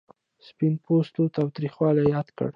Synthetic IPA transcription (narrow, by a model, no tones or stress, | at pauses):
spɪnpʰost̪ot̪ɑwt̪ɾixwɑlajjɑd̪kə̰ɽ